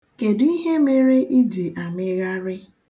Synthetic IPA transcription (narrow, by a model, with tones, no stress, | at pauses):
ke˨di˦ɦe˦me˦ɾe˦ʔi˦di˨ʔa˨mɪ˦ɣa˦ɾɪ˦